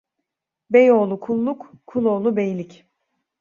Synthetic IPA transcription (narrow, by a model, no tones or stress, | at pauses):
bejo̞ːlˠukʰulˠːukkʰːulˠo̞ːlˠubejlʲic